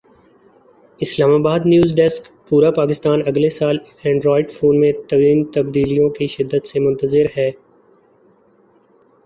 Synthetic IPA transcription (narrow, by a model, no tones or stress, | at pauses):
ɪslaːmaːbaːd̪njuːzɖɛsk | puːɾapaːkɪst̪aːnɐɡlesaːl | ɛ̃ːɳɖɾɔːɪɖfoːnmẽt̪ɐʋiːmt̪ɐb̚d̪iːlijõkiʃɪd̪ːət̪semʊ̃nt̪əzɪɾɦɛː